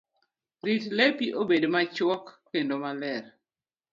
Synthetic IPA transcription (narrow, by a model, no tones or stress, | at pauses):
ɾitlepiʔobedmat͡ʃwɔkːendomalɛɾ